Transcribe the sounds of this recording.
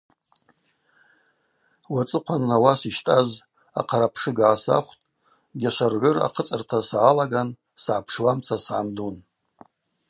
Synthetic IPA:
wat͡sʼɨqʷʰanːawasiʃtʼaz | a̰qʰaɾapʰʂɨɡʕasa̰χʷtʼ | ɡʲaʃʷarʕʷʊra̰qʰət͡sʼɨrtʰasʕalaɡan | sʕapʰʂwamt͡sʰasʕamdun

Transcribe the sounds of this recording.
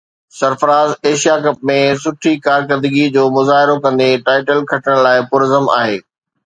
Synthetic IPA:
sɐɾfəɾaːzeːʃijakɐp̚mẽs̬ʊʈʰikaːɾkəɾd̪ɪɡid͡ʑoːmʊzaːɦɪɾokɐ̃nd̪eʈaːɪʈəlkʰɐʈəɽ̃laːɪpʊːɾəzəma̰ːɦeː

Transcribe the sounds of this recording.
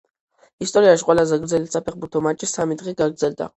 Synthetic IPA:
ist̪ʼɔɾiaʃiqʼwɛlazɛɡɾd̪zɛlit̪sapʰɛχbuɾt̪ʰɔmat͡ʃʼisamid̪ʁɛɡaɡɾd̪zɛld̪a̰

